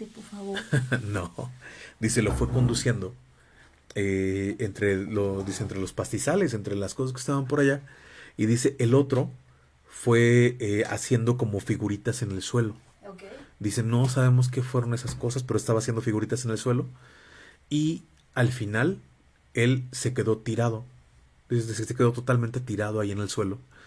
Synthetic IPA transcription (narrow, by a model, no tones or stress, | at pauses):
pofaβonod̪ise̞lo̞fwe̞ko̞nd̪usje̞nd̪o̞ | eːnt̪ɾe̞lod̪ise̞ːnt̪ɾe̞lo̞spast̪isale̞se̞nt̪ɾe̞laskosas̬kest̪aβampo̞ɾaʝaiðise̞ʔelo̞t̪ɾo̞ | fwe̞ea̰sje̞nd̪o̞k̬o̞mo̞fiɣuɾit̪ase̞ne̞lswe̞lo̞ | d̪ise̞no̞s̬aβe̞mo̞s̬ke̞fwe̞ɾo̞ne̞sasko̞sas̬pe̞ɾoest̪aβasjend̪ofiɣuɾit̪ase̞ne̞lswe̞lo̞ | i | alfinal | e̞lse̞ke̞ðo̞t̪iɾað̞o̞ | d̪iseesseke̞ðo̞t̪ot̪almẽnt̪e̞t̪iɾaðoaʝie̞ne̞lswe̞lo̞